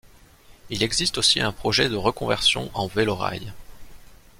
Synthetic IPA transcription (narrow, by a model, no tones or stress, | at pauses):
ilɛɡzist̪osiɛ̃pχɔʒɛd̪əʁəkɔ̃vɛʁsjɔ̰̃ʔɑ̃velɔʁa̰j